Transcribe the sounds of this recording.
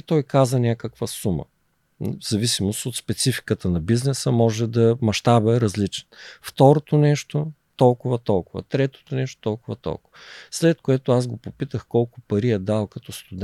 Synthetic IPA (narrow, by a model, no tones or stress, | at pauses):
t̪ɔjkazənʲakəkvəsumə̰ | zɐvisimosot̪spɛt̪sifi̥kət̪ənɐbiznɛsəmɔʒɛd̪ɐmɐʃt̪abəɛɾɐzlit͡ʃɛ̥nft̪ɔɾot̪onɛʃt̪o | t̪ɔlˠkʊvɐt̪ɔlˠkʊvə̰t̪ɾɛt̪o̥t̪onɛʃt̪o̥t̪ɔlˠkʊvət̪ɔ̰lˠkʊvɐslɛt̪̚koɛt̪ʊazɡopopit̪əxkɔlˠkʊpɐɾiɛd̪alˠkɐt̪ɔst̪ʊd̪